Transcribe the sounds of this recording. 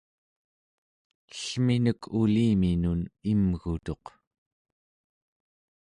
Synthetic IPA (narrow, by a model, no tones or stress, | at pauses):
ɬminəkʰuliːminunimɣut̪o̞q